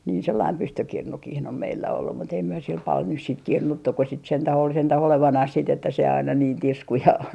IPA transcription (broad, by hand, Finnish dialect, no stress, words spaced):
niː selːɑim pystykirnukih om meilːæ olːu mut ei myø sil pɑl nys siːt kirnutːu ko sit sentæh ol sentæh oleʋɑnɑh sit etːæ se ɑinɑ niːn tisku jɑ